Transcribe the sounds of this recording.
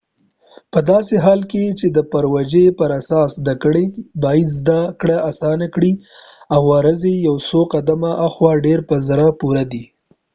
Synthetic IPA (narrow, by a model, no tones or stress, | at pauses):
pəd̪ɑseɦɑlket͡ʃed̪əpəɾwad͡ʒepəɾasɑszd̪akəɽebɑjid̪zd̪akɽaasɑnakɽi | awːɑɾəzejawsoqad̪amaʔaxwɑɖeɾpəzaɾapuɾad̪i